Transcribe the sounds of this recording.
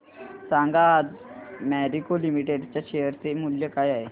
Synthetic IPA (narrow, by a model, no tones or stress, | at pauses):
sãːŋɡad͡ʒmɛːɖikolimiʈeɖt͡ɕaʃejəɾt̪emuljəkaːjaːe